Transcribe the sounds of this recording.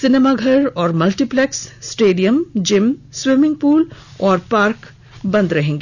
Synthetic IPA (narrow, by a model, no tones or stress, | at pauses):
sɪnemaɡʱɐɾɔːɾmɐlʈiplɛksːʈeːɖijəmd͡ʒɪmswɪmɪ̃ŋɡ̚puːlɔːɾpaːɾk | bɐ̃nd̪ɾɐɦẽːŋɡeː